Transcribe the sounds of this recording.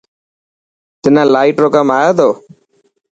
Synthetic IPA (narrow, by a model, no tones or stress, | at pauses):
t̪ɪnãːlaːiʈɾoːkəmaːjoːt̪oː